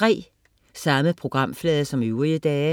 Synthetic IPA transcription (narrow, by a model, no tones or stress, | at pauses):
ʁɛ̰ː | sɑ̈məpʰʁo̝ɡ̥ʁɑ̈m̰flɛːðˠɐsɒ̽myːʁiəd̥ɛː